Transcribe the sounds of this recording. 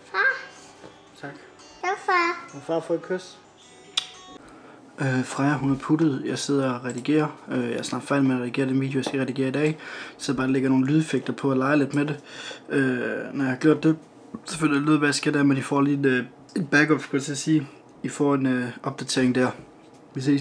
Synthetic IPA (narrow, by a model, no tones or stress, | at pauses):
fɑ | t͡sʰɑɡ̥ | afɑfɑfɔikʰøs | øfʁɑɪɐɦunæɐpʰuɾð̞̩ˠjɑ̈ɪse̝ð̞̰ˠɐɒʁɛd̥iɡ̥e̝̰ːɐøjɑsnɑ̈ːɡfæɐdimenʁɛdiɡe̝̰ːɐdeʋḭd̥jojasɡ̥æʁɛd̥iɡ̥e̝̰ːɐid̥ɛ̰ːsɒb̥ɑːleɡ̥ɐno̝ːn̩lyð̞ˠefeɡ̥̚d̥ɐpʰɒ̽ælɑ̈ɪle̝d̥mede̝ønɒjɑhɑ̈ɡ̥jo̝ɐ̰d̥ːe̝ | seføl̰jily̰ðˠbæasɡ̥edæɐmenifɒldin | enb̥æɡ̥ɒ̽b̥kʰæt͡sʰeɐsiː | ifɒ̰e̝nøʔɒ̽b̥̚d̥æt͡sʰe̝ɐeŋd̥æɐ̰ | ʋesei